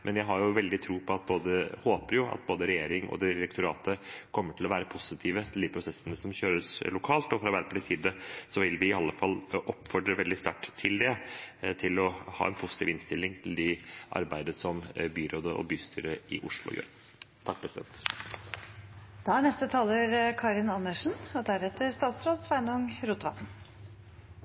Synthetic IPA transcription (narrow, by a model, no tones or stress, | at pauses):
mʔɛnjæɪɦɑɾjʊʋɛld̪ɪt̪ʰɾuːpʰɔɑt̪̚boːd̪əhoːpəɾjʊʔɑ̰t̪̚boːd̪əɾɛjeːɾɪŋɔ̰d̪ɪɾɛkt̪ʊɾɑ̰ːt̪əkʰɔmːəʈʰɪlɔʋæːɾəpʰʊsɪt̪ʰiːʋət̪ʰɪld̪iːpʰɾʊsɛsːənəsɔmçøːɾəslʊkʰɑːlt̪ɔfɾɑʋæɾpʰd̪ɪsiːd̪əsɔʋɪlʋɪɪɑlːəfɑlːʔɔpːfɔɖɾəʋɛld̪ɪst̪ɑʈ̪ːʰɪld̪ɛt̪ʰɪlɔhɑ̰ːɛnpʰʊsɪ̥t̪iːʋɪnst̪ɪlːɪŋt̪ʰɪld̪ɪʔɑ̰ɾbæɪd̪əsɔmbyːɾoːd̪əʔɔ̰byːst̪ʰy̰ːɾəɪʔʊʂɭʊ̰jø̰ːɾ | t̪ʰɑk̚ːpʰɾɛsɪd̪ɛ̰nt̪ | d̪̥ɑæɳɛst̪ət̪ʰɑːlːəɾkʰɑːɾɪnɑnːəʂn̩ɔd̪æɾɛt̪ːəɾst̪ɑːt̪sɾoːd̪sʋæɪnʊŋɾut̪ʋɑt̪n̩